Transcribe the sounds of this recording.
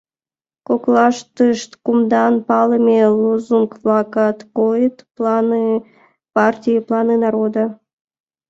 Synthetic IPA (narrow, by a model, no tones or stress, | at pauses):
koklɑʃt̪əʃt̪kumd̪ɑnpɑləmʲeluzuŋkvlɑkɑt̪kojət̪plɑnɨ | pɑrtʲijəplˠɑnɨnɑɾod̪ɑ